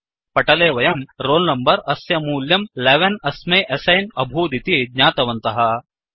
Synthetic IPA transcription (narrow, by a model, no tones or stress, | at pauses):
pɐʈɐleːʋɐjɐmɾoːlnɐmbɐɾɐsjɐmuːljɐmleʋɐnɐsmeːʔɐsɐjnɐbʱuːd̪it̪iɡɲaːt̪ɐʋɐnt̪ɐɦɐ